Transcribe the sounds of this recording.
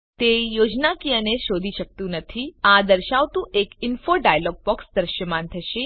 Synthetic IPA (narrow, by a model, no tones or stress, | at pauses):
t̪ejod͡ʒnakiəneʃod̪ʱiʃək̚t̪ũnət̪ʰiad̪əɾʃaʋt̪ũʔekinfoɖajəlɔːɡ̚pɔksd̪əɾʃəmant̪ʰəʃe